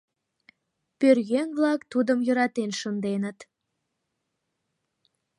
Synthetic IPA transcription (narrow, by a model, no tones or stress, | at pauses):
pørɣenβlɑkt̪ud̪əmjə̆ɾɑt̪enʃənd̪enət̪